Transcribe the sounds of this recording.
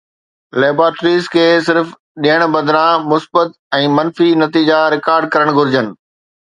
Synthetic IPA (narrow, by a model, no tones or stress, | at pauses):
leːbɾaːʈɾiːzkʰeːsɪɾf | ɗiɦəɽ̃bɐd̪ɾãmʊsbət̪ | ɛ̃ːmɐnfinɐt̪iːd͡ʑaɾɪkaːɾɖ̚kɐɾəɽ̃ɡʱʊɾɪd͡ʑənɪ̆